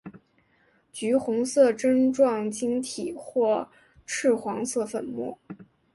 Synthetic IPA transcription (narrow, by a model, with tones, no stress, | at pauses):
t͡ɕy˧˥xʊ˧˥ŋsɤ˥˩ʈ͡ʂə˥nʈ͡ʂwɑ˥˩ŋt͡ɕi˥ŋt̪ʰi˨˩˦xwɔ˥˧ | ʈ͡ʂʰɻ̩˥˩xwɑ˧˥ŋsɤ˥˩fə˨˩nmṵ˥˩